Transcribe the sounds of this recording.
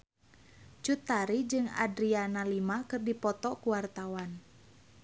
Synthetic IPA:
t͡ʃut̪aɾid͡ʒɨŋa̰dɾianalimakɨrdipɔt̪ɔkuwart̪awan

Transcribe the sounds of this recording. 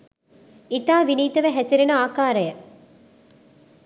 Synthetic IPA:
it̪aːʋiniːt̪ɐʋeɦæsiɾenɐaːkaːɾɐjɐ

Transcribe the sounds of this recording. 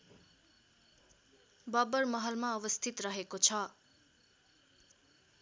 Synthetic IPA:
bʌbʌrmʌɦʌlmaʌbʌst̪ʰit̪rʌɦekot͡sʰʌ

